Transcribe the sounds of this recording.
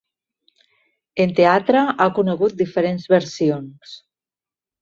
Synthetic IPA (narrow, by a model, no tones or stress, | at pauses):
ent̪eat̪ɾaʔakuneɣut̪̚d̪ifeɾenzβeɾsions